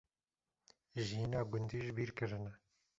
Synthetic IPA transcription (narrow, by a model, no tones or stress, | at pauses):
ʒiːnɑːɡʊnd̪iːʒbiːɾkɨɾɨnɛ